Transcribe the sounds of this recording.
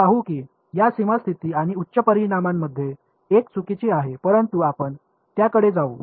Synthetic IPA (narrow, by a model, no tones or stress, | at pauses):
aɦukiː | jasimast̪ʰit̪iːaɽ̃iutːɕəpəɾiɽ̃amamːəd̪ʱːje | ekt͡sʰukit͡ɕiaɦepəɾənt̪uapəɳ | t̪jakəɽed͡zaṵː